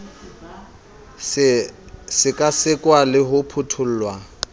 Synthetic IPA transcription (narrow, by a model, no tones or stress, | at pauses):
sɪkʼasɪkʼwalɪɦʊpʰʊtʰʊl̩ːlwa